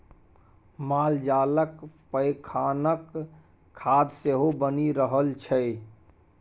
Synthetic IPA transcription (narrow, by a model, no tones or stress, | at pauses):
maːld͡ʒaləkpəɪkʰanəkʰː | aːd̪seɦobəniɾəɦəlt͡ʃʰɛ